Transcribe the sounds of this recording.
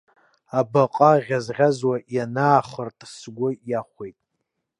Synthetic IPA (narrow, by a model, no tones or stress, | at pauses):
abaqʼaʁʲazʁʲazwaʔjanaːχərtʼsɡʷʊjaχʷejtʼ